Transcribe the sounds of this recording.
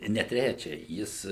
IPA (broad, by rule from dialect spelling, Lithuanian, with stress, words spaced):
nʲɛ ˈtʲrʲæt͡ʃʲɛ ˈjɪs